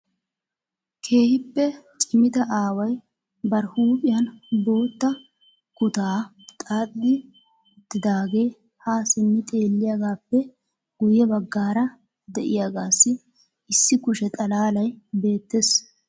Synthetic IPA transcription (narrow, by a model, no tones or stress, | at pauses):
kʰe̞ːhɪpːɛt͡ʃʼɪmɪt̪ɐʔaːwɐj | bɐɾhuːpʼɪjɐnbo̞ːt̪ːɐ | kʊt̪aː | t̪ʼaːɗːɪ | d̪ɪd̪aːɡe̞ː | haːsɪnːɪt̪ʼe̞ːlːɪjaɡaːpːɛ | ɡ̥ʊjɛbɐɡːaːɾɐ | d̪ɛʔɪjaɡaːsːɪ | ɪsːɪkʊʃɛt̪ʼɐlaːlɐjbe̞ːt̪ːeːs